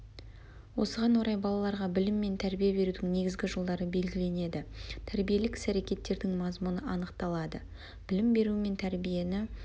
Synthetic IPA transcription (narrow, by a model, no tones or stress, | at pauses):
wo̞səʁɑnwoɾɑjbɑlˠɑlˠɑɾʁɑbɪlɪmːe̞nt̪ʰæɾbijebe̞ɾud̪ɪŋne̞ɡʲɪzɡʲɪʒəlˠd̪ɑɾəbe̞lɡʲɪle̞ne̞d̪ɪt̪ʰæɾbije̞lɪksæɾe̞kʲe̞t̪ːe̞ɾd̪ɪŋmɑzmunəɑnəqt̪ɑlˠɑd̪ə | b̥ɪlɪmbe̞ɾuɪme̞nt̪ʰæɾbije̞nɪ